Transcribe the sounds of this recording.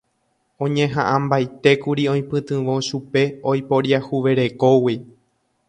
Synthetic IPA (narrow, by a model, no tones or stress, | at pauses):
õ̞ɲẽ̞ɦãʔãmbajt̪e̞kuɾiõ̞j̃pɨ̃t̪ɨ̃ʋõ̞ʃupe̞ojpo̞ɾjahuʋe̞ɾe̞ko̞wi